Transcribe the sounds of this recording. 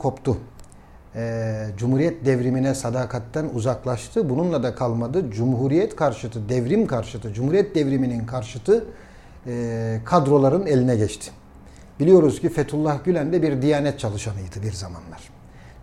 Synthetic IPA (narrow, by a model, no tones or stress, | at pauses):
kʰo̞pt̪ʰu | d͡ʒumhuːɾijɛt̪̚d̪ɛvɾiminɛsad̪aːkʰat̪ːænuzaklˠaʃt̪ʰɯbununlˠad̪akʰalˠmad̪ɯd͡ʒumɦuɾijɛt̪kʰaɾʃɯt̪ʰɯd̪ɛvɾimkʰaɾʃɯt̪ʰɯd͡ʒumhuɾijɛt̪̚d̪ɛvɾimininkʰaɾʃɯt̪ʰɯ | kʰad̪ɾo̞lˠaɾɯnelʲinɛɟɛt͡ʃt̪ʰɪ̥ | b̥ilʲijo̞ɾuz̥cifɛt̪ʰulˠːahɟylʲænd̪ɛbiɾd̪ijaːnɛt̪̚t͡ʃʰalˠɯʃanɯjɯt̪ʰɯbiɾzama̰nlˠaɾ̥